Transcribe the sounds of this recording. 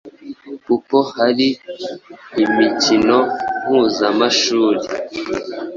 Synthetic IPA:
pupohaɾiː | micinoŋ̥huːzamaʃuːɾi

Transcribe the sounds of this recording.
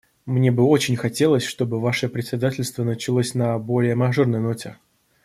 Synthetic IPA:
mnʲe̞bɨo̞t͡ɕɪnʲxɐtʲe̞lˠəsʲʂt̪o̞bɨvaʂəpɾʲɪtʲsʲɪd̪atʲɪlʲst̪vənət͡ɕɪlˠosʲnɐbo̞lʲɪjəmɐʐornəjno̞tʲɪ̰

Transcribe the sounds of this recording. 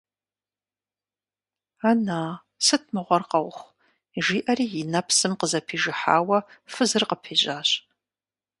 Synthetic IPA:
anaː | sɨt̚ʰmɨʁʷɔrqɐwχʷ | ʒiːʔɐriːjɪnɐpʰsɨmqəzɐpʰiːʒɪħa̰ːwɐfɨzɨrqəpʰeːʑaːɕ

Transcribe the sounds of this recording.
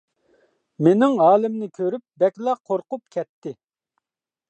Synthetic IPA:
menɪŋɦɑːlˠɪmnɪkʲʰøɾyp̚bɛkʲlˠɑqʰoɾqʊp̚kʲʰɛt̪ʰːɪ

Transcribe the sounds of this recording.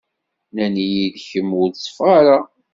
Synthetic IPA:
nænijiðçəmʊɾsˤfʁɑɾa

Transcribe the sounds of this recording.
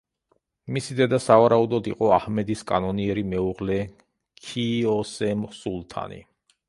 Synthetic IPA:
misid̪ɛd̪asavaɾaud̪ɔd̪iqʼɔahmɛd̪iskʼa̰nɔniɛɾimɛuʁlɛ | kʰiɔsɛmsulˠt̪ʰa̰nḭ

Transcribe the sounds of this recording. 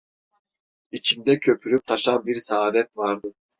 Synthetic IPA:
it͡ʃʰind̪ɛcʰø̞pʰyɾyp̚t̪ʰaʃanbiɾsaːd̪ɛt̪vaɾd̪ɯ

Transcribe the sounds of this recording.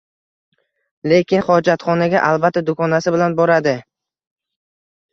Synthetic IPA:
le̞kʲɪnχɒd͡ʒat̪χɒnaɡʲaʔalˠbat̪ːad̪ʊkʰɒnasɪbɪlanbɒɾad̪ɪ

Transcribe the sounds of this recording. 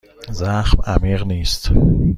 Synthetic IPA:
zaːχma̰miːʁnist̪

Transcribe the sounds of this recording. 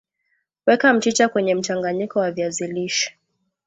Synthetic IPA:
wɛkam̩t͡ʃit͡ʃakwɛɲɛm̩t͡ʃaŋɡaɲikɔwaviaziliʃi̥

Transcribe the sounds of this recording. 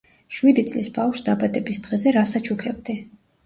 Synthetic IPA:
ʃwid̪it̪sʼlisbafʃd̪abad̪ɛbisd̪̥ʁɛzɛɾasat͡ʃʰukʰɛbd̪i

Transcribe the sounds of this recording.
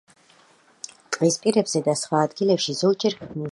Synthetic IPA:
t̪ʼqʼispʼiɾɛbz̥ɛd̪asχwaːd̪ɡilɛpʃizɔlˠd͡ʒʼɛɾkmu

